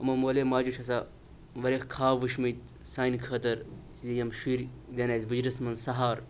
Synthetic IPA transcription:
ɐmɐmoːleːmaːd͡ʒut͡ʃʰɐsa | ʋɐɾexkʰaːʋɨʃmit̪̚ | saːjnkʰɐːt̪ɐɾszijɐmʃiːɾ | d̪ʲɐnaːsʲbɨd͡ʒɾɐsmɐnsɐɦaːɾ

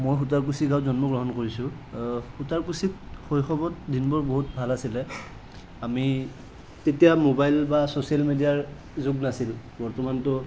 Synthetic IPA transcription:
mojxutaɹk̬usiɡawzɔnmɔɡɹɔɦɔnkoɹisʊ̃ | hutaɹkusikxojxʰɔbɔt̚dinbɔɹboɦut̚bʱalasilɛ | ami | tetijamobajlbasosialmedijaɹ | zuɡnasil | bɔɹtɔmantʊ

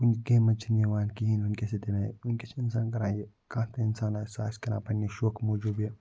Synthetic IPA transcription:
ʊnɡeːmɐt͡ʃʰineʋaːnkiɦinʊnkesed̪enãːʊnket͡ʃeɪns̬aːnk̬ɐɾãːe | kãːt̪ẽɪnsaːnaːsaːskɐna̰ːpɐniʃoːkmoːd͡ʒuːbe

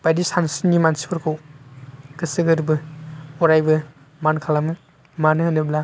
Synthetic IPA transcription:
b̥ajdisansinɡimansi̥pʰɐɾkʰow | kɯsɯɡɯɾbɯɔɾajbɯ | mankʰalamɯ | manɦɯnɯbla

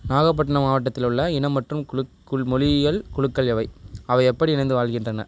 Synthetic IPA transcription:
naːɣɐp̬ːɐʈːɐnɐmaːʋɐʈːɐt̪ːɪlɯɭːɐɪnɐmːɐʈrɯm | ʊɭmɔɻɪɣɐlkʊɻɯkːɐɭɛʋɐɪɐʋɐɪɛpːɐɽiɪnɐnd̪ɯʋaːlɣɪndrɐnɐ

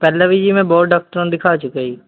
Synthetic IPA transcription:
pɛːlaʋid͡ʒimẽbɔːɖaːk̚ʈəɾõnd̪ɪkʰaːt͡ʃʊkəiː

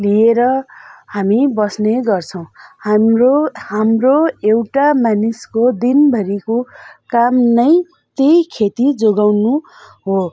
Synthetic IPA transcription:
lieɾʌhamibʌsneɡʌrt͡sʰʌw̃amrohamroewʈamaniskod̪inbʱʌɾikokamnʌj | t̪ejkʰet̪id͡zoɡawnu | ɦo

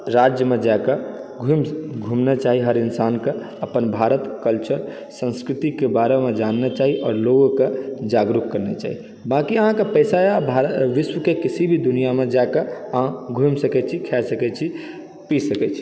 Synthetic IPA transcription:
ɾad͡ʒjəmed͡ʒaekeɡʱumɡʱumnet͡ʃaɦiɦəɾinsanke | əpənbʱaɾət̪kəlt͡ʃəɾ | sə̃nskɾit̪ikebaɾemed͡ʒanːɛt͡ʃaɦiʔɔːɾloɡked͡ʒaɡɾukkːəɾnet͡ʃa̰ːɦi | bakiəɦãkepəɪsaabʱaʋiswəkekisibʱid̪unijamed͡ʒaekeəɦãɡʱumsəkɛt͡ʃʰikʰɛsəkɛt͡ʃʰi | pisəkɛt͡ʃʰi̥

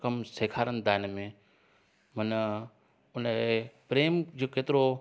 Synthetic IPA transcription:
kəmseːkʰaːɾənd̪aːnmẽ | mɐn | ʊnepɾeːmd͡ʑokeːt̪ɪɾo

